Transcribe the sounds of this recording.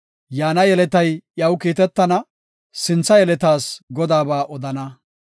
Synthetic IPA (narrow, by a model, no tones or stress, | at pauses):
jaːnɐjɛlɛt̪ɐjjɐwkiːt̪ɛt̪ːɐnɐ | sɪnt͡sːɐjɛlɛt̪aːsɡɔd̪aːbaːʔɔd̪ɐnɐ